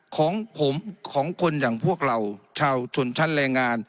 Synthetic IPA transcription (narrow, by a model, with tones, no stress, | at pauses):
kʰɔː˩˦ŋpʰo˩˦mkʰɔː˩˦ŋkʰo˧njaː˨˩ŋpʰu˥˩ək̚ɾa˧˩wt͡ɕʰaː˧wt͡ɕʰo˧˩nt͡ɕ̪ʰa˥˩nɾɛː˧ŋːaː˧n